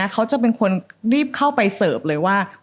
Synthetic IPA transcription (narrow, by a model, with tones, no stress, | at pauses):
a˦˥kʰa˦˥wt͡ɕa˨˩pe˧nkʰo˧nɾiː˥˩p̚kʰa˥˩wpa˧jsɤː˨˩p̚lɤː˧jwaː˥˩